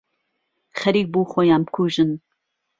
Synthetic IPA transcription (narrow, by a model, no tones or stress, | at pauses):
xɐɾiːk̚buːxojaːmkʰuːʒɨn